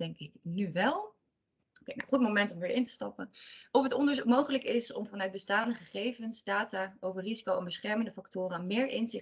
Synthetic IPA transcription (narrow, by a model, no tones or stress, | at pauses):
ɛŋkɪknyʋɛlˠ | okena̰χut̚mowmɛntɔmʋɪːɹʔɪntə̥stɑpənɔfətɔndəɹzumowχələkɪsɔmvɑnœɥt̚bəstaːndəχəχejvənzdaːtaːowvərizikowɛnbəsχɛɹməndəfɑktʊːrəanmɪːɹʔɪnzɪ